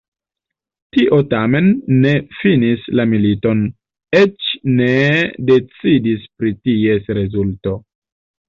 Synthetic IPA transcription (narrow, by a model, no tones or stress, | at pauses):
tiʔo̞tame̞nːe̞finislamilito̞n | et͡ʃne̞de̞t͡sidispɾitie̞sɾe̞zulto̞